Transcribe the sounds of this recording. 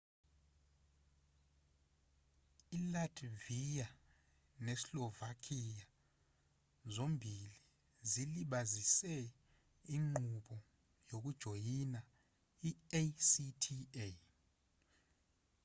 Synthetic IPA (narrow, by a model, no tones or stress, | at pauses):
ilad̥ʰvija | nɛsilɔvakʰija | zombʱili | ziliɓazisɛ | iŋ͡ǃuɓɔ | jok̬ud̥ʒ̥ʱojina | iesitʰie